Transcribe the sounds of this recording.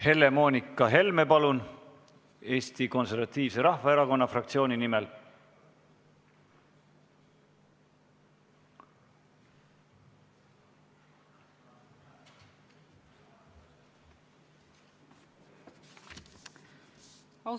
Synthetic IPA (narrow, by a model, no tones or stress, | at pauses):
he̞lːe̞mo̞ːnʲikːˑɑɦe̞lme̞pɑlun | e̞ːst̪iko̞nse̞ɾvɑt̪ːiːvse̞ɾɑhvɑe̞ɾɑko̞nːɑfrɑk̚t̪sio̞ːninimel